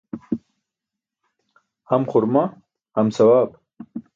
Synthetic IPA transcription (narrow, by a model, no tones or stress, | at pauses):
hamχʊɾma | hamsawaːb